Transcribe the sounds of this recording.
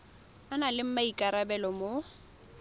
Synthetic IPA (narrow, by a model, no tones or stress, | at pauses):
analɪm̩maikʼaɾabɛlɔmo